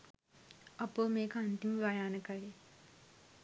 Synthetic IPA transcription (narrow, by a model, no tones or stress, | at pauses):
ɐpoːmeːkəant̪imʋɐjaːnəkaɭe